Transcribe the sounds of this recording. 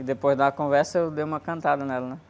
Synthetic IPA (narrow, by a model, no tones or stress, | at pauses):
d̪epojzd̪ɐkõvɛɾsɐewd̪ejwũmɐkɐ̃nt̪ad̪ɐnɛlɐnɛ